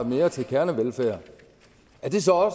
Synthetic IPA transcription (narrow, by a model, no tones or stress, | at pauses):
me̝ːɐt͡sʰe̝lkʰæɐnəʋelfæ̰ːɐ̰ | æɐd̥e̝sɒ̽ɒ̽s